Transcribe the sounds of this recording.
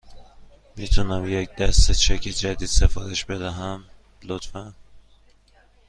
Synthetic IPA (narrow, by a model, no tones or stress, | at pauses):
mit̪ʰunæmjec̚d̪æst̪et͡ʃʰæcʰed͡ʒæd̪id̪sefɒːɾeʃbed̪æɦæn | lot̪fæn